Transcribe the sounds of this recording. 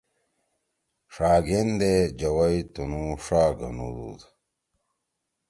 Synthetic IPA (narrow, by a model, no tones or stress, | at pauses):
ʂaːɡend̪ed͡ʑɐwɐjt̪unuʂaːɡɐ̰nṵɾṵd̪